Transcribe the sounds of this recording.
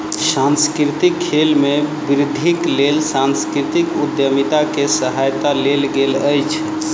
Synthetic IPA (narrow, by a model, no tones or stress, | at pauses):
sanskɾit̪ikʰːelmebiɾid̪ʱiklelsanskɾit̪ikud̪jəmit̪akesəɦajt̪alelɡeləjt͡ʃʰ